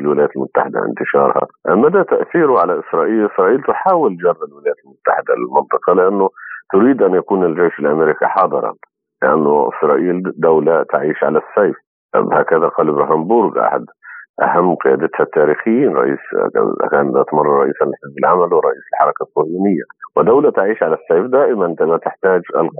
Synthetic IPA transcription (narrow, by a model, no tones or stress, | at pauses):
lwɪlajaːt̪lmʊt̪ːaħɪd̪a̰ʔɪ̰nt̪ɪʃɑ̰ːɾˤha̰ʔmæd̪at̪aʔθiːɾʊʕalaʔɪsɾˤɑːʔiːlʔɪsɾˤɑːʔiːlt̪ħaːwɪld͡ʒɑrˤːalwɪlajæːt̪lmʊt̪ːa̰ħɪd̪a̰lɪlmɪnt̪ˤɨqɑlɪʔanːʊt̪ʊɾiːd̪ʔænjakuːnɪlʒejʃɪlʔameɾikiħɑːd̪ˤɨɾˤɑ̰n | lɪʔa̰nːʊʔɪ̰sɾˤɑːʔiːld̪awlat̪aʕiːʃʕa̰lasːejf | haːkaðaqɑːlʔɪbɾaɦaːmbʊɾɡʔa̰ħa̰d̪ʔa̰hamːqɪja̰ːd̪ɪt̪hat̪ːaːɾiːxɪjːiːnɾˤɑ̰ʔḭːskaːnd̪at̪mɑrˤːɑɾˤɑʔḭːsanlɪħɪzbɪlʕamalwɪɾˤɑʔiːsɪlħɑɾˤɑkasˤːʊhjuːnɪjːa̰wɪd̪awlat̪aʕiːʃʕalasːejfd̪aːʔɪmant̪mat̪ɪħt̪aːd͡ʒa̰l